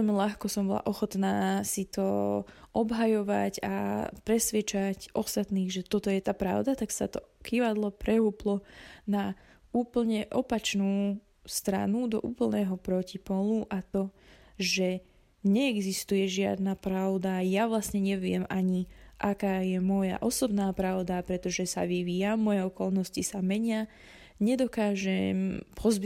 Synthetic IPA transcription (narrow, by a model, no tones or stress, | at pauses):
ɛlmiʎaxkɔsɔmbɔla̰ʔɔxɔt̪naːsit̪ɔɔbɦajɔʋa̰ɟa̰pɾɛsʋɪɛt͡ʃacʔɔst̪at̪niːɣʒɛt̪ɔt̪ɔjɛt̪aːpɾa̰ʊd̪at̪aksa̰t̪ɔkiʋad̪lɔpɾɛɦuːplɔna | uːpl̩ɲɛʔɔpat͡ʃnuː | st̪ɾa̰nud̪ɔ̰ʔuːpl̩nɛːɦɔpɾɔcipɔluʔat̪ɔʒɛ | ɲɛːɡzist̪ujɛʒɪa̰d̪napɾaʊd̪ajaʋlasɲɛɲɛʋɪɛ̰maɲiʔakaːjɛmɔja̰ʔɔsɔbnaːpɾaʊd̪apɾɛt̪ɔʒɛsa̰ʋiʋiːamɔjɛɔkɔlnɔscisamɛɲɪa | ɲɛd̪ɔkaːʒɛmpʰɔzb